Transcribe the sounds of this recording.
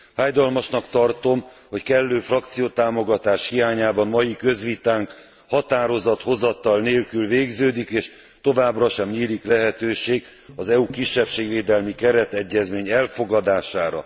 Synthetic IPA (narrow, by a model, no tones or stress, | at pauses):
faːjd̪ɒlmɒʃnɒkt̪ɒrt̪o̞m | ho̞ckɛlːøːfrɒk̚t̪sijoːt̪aːmo̞ɡɒt̪aːʃhijaːɲaːbɒmmɒjikø̞zʋit̪aːŋk | hɒt̪aːɾo̞zɒt̪ho̞zɒt̪ɒlneːlkylveːɡzøːd̪ikeːʃ | t̪o̞vaːbrɒʃɛmɲiːliklɛɦɛt̪øːʃeːɡ | ɒzɛukiʃːɛpʃeːɡveːd̪ɛlmikɛɾɛt̪ɛɟːɛzmeːɲɛlfo̞ɡɒd̪aːʃaːɾɒ̰